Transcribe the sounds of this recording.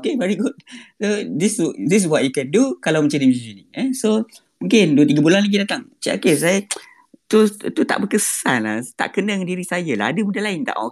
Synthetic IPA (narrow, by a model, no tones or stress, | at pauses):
okevɛɾiɡʊt̚sod̪ɪsdɪs̬wat̚jukɛndukalawmət͡ʃandimid͡ʒiniəso | mũŋkɪnduət̪iɡabulanlaɡidat̪aŋt͡ʃiʔa̰kes̬ajə | t̪ut̪ut̪a̰ʔbəkəsanla̰ht̪a̰ʔkənəŋandiɾisajəla̰ɦadəmudahlaɪnt̪a̰ʔɔ̰